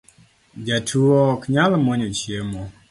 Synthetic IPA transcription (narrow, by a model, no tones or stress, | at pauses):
d͡ʒatʰuɔkɲalmɔɲot͡ʃjemɔ